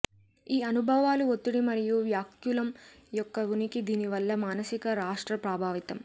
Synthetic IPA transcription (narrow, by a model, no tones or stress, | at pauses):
iːɐnubʱɐʋaːluot̪ːiɽimɐɾijuʋjaːkjulɐm | jɔkːɐʋunikid̪iːniʋɐlːɐmaːnɐsikɐɾaːʂʈɾɐpɾaːbʱaːʋit̪ɐm